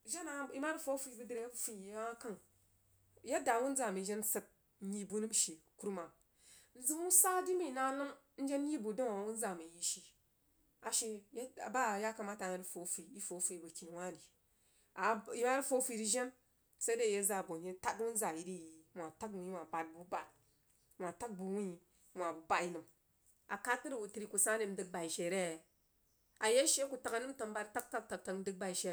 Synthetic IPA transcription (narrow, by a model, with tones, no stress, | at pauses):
ʒe˦na˨˦i˦ma˦ɾi˦fo˦fi˦˨˦bə˦di˨ɾe˨jbfi˨˦a˦ka˦ŋ | ja˦da˨wu˦n˦za˨mi˨ʒe˦nsə˨t̚ | ji˨bu˦nɨ˦m˦ʃi˨ku˦ɾma˨ | n̩˦zi˦wu˦sa˦di˦mi˦˨na˦lə˦m˦ | n̩˦d͡ʒe˦n˦ji˦bu˨da˦ŋa˨wu˦n˦za˨mi˨ji˦ʃi˨ | a˨ʃe˨ja˨ba˦˨ja˦ka˨ma˦ta˨ja˦fo˨˦fi˨i˦fo˨˦fi˨i˨ba˨kʲi˨n˨wa˦ni˨ | a˨ji˦ma˦ɾi˦fo˦fi˧˨ɾi˧ʒe˦n | sa˦de˦˨je˦za˨bo˨nji˦ta˦tu˦n˦za˨ji˦di˦˨ji˨˦mʷ˨a˨ta˦kwu˨˦i˦˨a˨ba˨t̚bu˨˦ba˨t̚ | mʷ˨a˨ta˦k̚bu˨wu˦i˨ | mʷ˨a˨ba˨i˨nɨ˨m | a˨ka˦tɨ˦ɾi˦u˨tɨ˨ɾi˨ku˨sa˦ne˧˦m̩˦dɨ˦k̚ba˨i˨ʃe˨ɾe˦˨ | a˨je˦ʃe˦ku˨ta˨ka˨˦nɨ˦m˦tə˧m˦ba˦tta˦k̚ta˦k̚ta˨k̚ta˧˦dɨ˦k̚ba˨i˨ʃe˨